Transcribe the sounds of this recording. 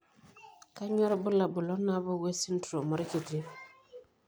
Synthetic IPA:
ka˦ɲɔ˦ɾbu˦la˨bu˨lɔ˦nːa˦bɔ˦we˦si˦n˦tu˨ɾo˨mɔ˦ɾki˨ti˦

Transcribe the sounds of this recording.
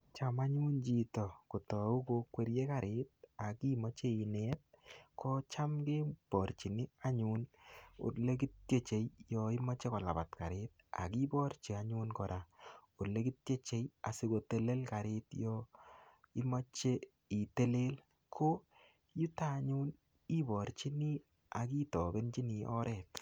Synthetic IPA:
t͡ʃama˦ɲu˦nt͡ʃi˨tɔ˨ko˨tɔ˨u˦ko˧kwe˨˧ɾje˦ka˨ɾe˨t̚a˨ki˦mɔ˦t͡ʃe˦i˨nɛ˦t̚kʰɔ˦t͡ʃa˦mke˦pɔ˨ɾt͡ʃi˨nɪ˦a˦ɲu˦nṵ˨ɾle˦k̬i˦t̚kje˦t͡ʃe˨jjɔi˦mɔ˦t͡ʃe˦kɔ˨la̰˨pa˨tka˨ɾet̚a̰˨ki˦bɔ˦ɾt͡ʃe˨a˦ɲu˦nkɔ˨ɾa˨u˨le˦ki˦t̚je˦t͡ʃe˦ja̰˨si˦ko˨te˨le˦lka˨ɾetjɔ˦ | i˦ma˦t͡ʃe˦ | i˨te˦le˦l | kʰo˦ | ju˦ta˦˨ɲu˦n | i˦bɔ˨ɾt͡ʃi˦ni˦ | a˨ki˦tɔ˨be˦nt͡ʃi˦ni˨ʔɔ̰˦ɾʔɛ˨t̚

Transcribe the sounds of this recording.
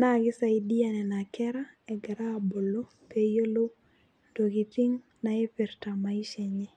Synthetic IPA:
na˦˨ɡɪ˦sa˨i˨di˦a˨nɛ˨na˨kɛ˦ɾa˦ɛ˨ɡɛ˨ɾaː˦˨bo˨lo˦ | pe˦jo˦lo˦ | ndo˨ki˨ti˦ŋ | na˨e˦pe˨ɾta˨ma˨i˦ʃɛ˨ɲɛ˦

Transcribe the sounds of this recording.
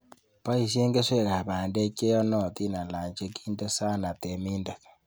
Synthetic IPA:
pa˦i˨s̬je˦ŋɡe˦se˦˨ka˨βa˨nde˦ke˦ɔ˦nɔ˦˨t̪i˦na˨la˨ɲt͡ʃe˦ki˦nde˦sa˦na˨te˨mi˦nda˨k

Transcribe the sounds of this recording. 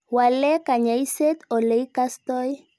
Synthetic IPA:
wa˨lɛ˦ka˨ɲa˨i˦se˦t̪ɔ˨le˨˦i˦ka˦st̪ɔ˦j

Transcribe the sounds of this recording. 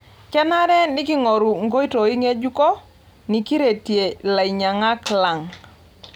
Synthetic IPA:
kɛ˦na˦ɾɛ˦nɪ˦kɪ˦ŋɔ˨ɾu˨ŋɡo˦i˦to˨i˦ŋe˦d͡ʒu˦kɔ˦ | ni˨ki˦ɾe˨tje˨la˨i˨ɲa˨ŋa˦kla˨ŋ

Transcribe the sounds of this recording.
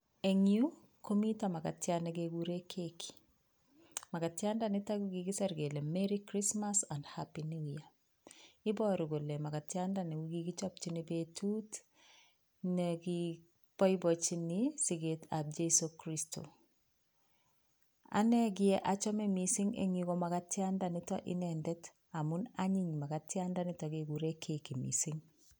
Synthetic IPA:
e˨ŋju˦ | ko˦mi˦tama˨ka˨tjanɛ˨ɡeɡuɾe˦kʰeki̥ | ma˨ka˨tja˦ndanɪta˦ɡɡiɡɪ˦sɛ˦ɾɡe˨le˨mɛɾikɾismasa˨ndhapini˦uja | ɪ˦bɔ˦ɾi˨ɡo˨le˨ma˨ka˨tjandanɛ˨wiɡiɡi˦t͡ʃɔ˦p̚t͡ʃinibetʰu˦t | nɛɡi | pɔ˦ɪbɔ˨t͡ʃi˦nɪsiɡe˨ta˨b̚d͡ʒe˦sokɾisto̰˨ | a̰˦nɛ˦ɡɪ˦ɛ˦ʔa˨t͡ʃɔ˦mɛ˦misi˦ŋḛ˨ŋiɡɔ˦ma˨ka˦tja˦ndanɪtɔ˦ʔɪ̰nɛndɛt | a˨mʊ˦naɲi˦ɲma˨katja˦nda˦nɪ˦ta˨ɡeɡu˨ɾe˦kʰe˨ki˨mḭsi˦ŋ

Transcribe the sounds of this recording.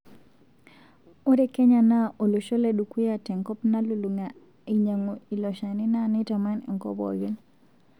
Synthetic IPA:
o˦ɾe˦ke˦ɲa˨na˦ʔo˨lu˨ʃɔ˦le˦du˨ku˦ja˨tɛ˨ŋkɔ˦pna˦lu˨lu˨ŋa | i˨ɲa˨ŋo˨i˨lɔ˨ʃa˨ni˦na˦nɪ˦ta˨ma˦n̰˨ŋkɔ̰˨bɔ̰˨ɡi˦n

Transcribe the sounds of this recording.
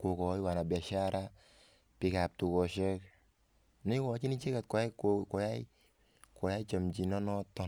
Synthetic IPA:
ko˨kɔ˨˦i˦wa˨na˨bi˨a˨ʃa˦ɾa˦ | pi˨ka˨p̚tu˨kɔ˨ʃɛ˦k | ni˦kɔ˨˦t͡ʃi˦ni˦t͡ʃe˦ka˨t̚kɔ˨ɛ˦kkɔ˨ja˦i˦ | kɔ˨ja˦i˦t͡ʃa˨md͡ʒi˨nɔ˦nɔ˦tɔ˦n

